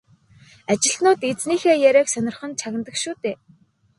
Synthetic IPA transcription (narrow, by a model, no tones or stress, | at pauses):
at͡ɕɪ̆ɮnʊːt̪et͡sniːxeːjæɾæːksœnʲɪ̆rχə̆nt͡sʰaɣʲɪ̆nt̪ə̆kʃuːt̪eː